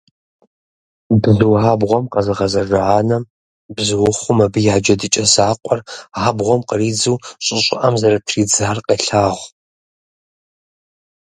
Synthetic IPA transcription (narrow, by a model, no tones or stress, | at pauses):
bzɨwaːbʁʷɔmqɐzɨʁɐzɐraaːnɐm | bzɨwʊχʷʊmɐbɨjaːd͡ʒɐdɨt͡ʃʼɐsaːqʷʼɔraːbʁʷɔmqəriːd͡zuwɕʼɪɕʼɪʔɐmzɐɾɐtʰriːd͡zaːrqɐɬaːʁʷ